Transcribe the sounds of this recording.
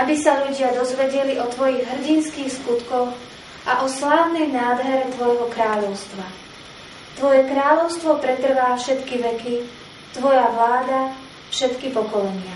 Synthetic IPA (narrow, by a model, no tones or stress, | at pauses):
ʔabisaʎuɟɪad̪ɔzʋɛɟɛliʔɔt̪ʋɔjiɣɦr̩ɟinskiːxskut̪kɔx | ʔaʔɔslaːʋnɛjnaːd̪ɦɛɾɛt̪ʋɔjɦɔkɾaːʎɔʊst̪ʋa | t̪ʋɔjɛkɾaːʎɔʊst̪ʋɔpɾɛt̪r̩ʋaːfʃɛt̪kiʋɛki | t̪ʋɔjaʋlaːd̪a | fʃɛt̪kipɔkɔlɛɲɪa